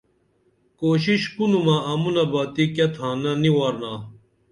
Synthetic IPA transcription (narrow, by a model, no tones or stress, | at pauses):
koːɕiɕpunumɐɐmunɐbaːt̪ikɐt̪ʰãːnɐniwaːɾnaː